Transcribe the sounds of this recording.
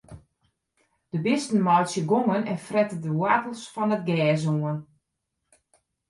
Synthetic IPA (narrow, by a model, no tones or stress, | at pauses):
d̥əbɪstən̩mɔjsjəɡoŋənɛnfrɛtədəwatəl̩ˠsfɔnət̚ɡɛːzuən